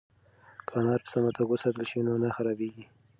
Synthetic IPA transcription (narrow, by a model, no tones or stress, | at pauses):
kʰɑnɑɾpə̥samat̪aɡosɑt̪əlʃinonaxaɾɑbeɡi